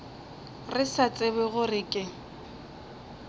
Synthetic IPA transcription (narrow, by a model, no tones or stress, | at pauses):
rɪsat͡sʼɪbɛɣʊrɪkʼɪ